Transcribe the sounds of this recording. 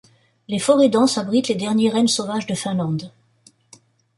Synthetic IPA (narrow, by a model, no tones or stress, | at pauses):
lefɔʁed̪ɑ̃sabʁit̪led̪ɛʁnjɛʁɛnsɔvaʒd̪əfɛ̃lɑ̃d̪